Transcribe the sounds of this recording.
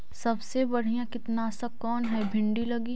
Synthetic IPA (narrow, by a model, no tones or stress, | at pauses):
sɐbsebɐɽ̤ijãkɪt̪nasakɔːnɦɛbʱɪ̃ɳɖilɐɡi